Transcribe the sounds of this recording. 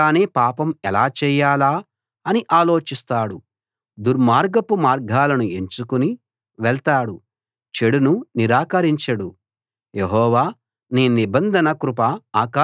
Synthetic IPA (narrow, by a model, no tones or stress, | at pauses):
aːneːpaːpɐmɛlaːt͡ʃɛːjaːlaː | ɐniʔaːlo̞ːt͡ʃist̪aːɽu | d̪uɾmaːɾɡɐpumaːɾɡʱaːlɐnue̞ɲt͡ʃukuni | ʋɛɭt̪aːɽu | t͡ʃe̞ɽununiɾaːkɐɾiɲt͡ʃɐɽu | jeɦɔːʋaː | niːnibɐnd̪ʱɐnɐkɾupɐaːkaː